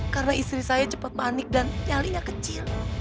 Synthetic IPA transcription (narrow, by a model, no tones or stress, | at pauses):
kaɾənaist̪ɾisajad͡ʒəpat̪̚panɪk̚danaliɲakət͡ʃil